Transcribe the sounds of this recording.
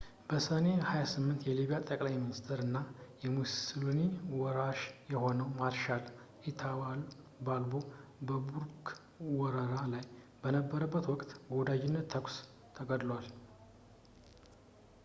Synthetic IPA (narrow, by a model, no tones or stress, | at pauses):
b̥əsəne̞hajasɨmːɨnt̪jɛliβijat̪ʼəkʼlajminist̪ʰɾɨnːajɛmusloniwɔɾaʃjɛho̞nəwmaɾʃal | ʔit̪ʰawal | balbo̞bəbuɾk | wɔɾəɾalaj | bənəbːəɾəbːət̪wɔkʼt̪ɡo̞d̪ad͡ʒɪnːət̪ʰːəkʷʼs | t̪ʰəɡəd̪lwal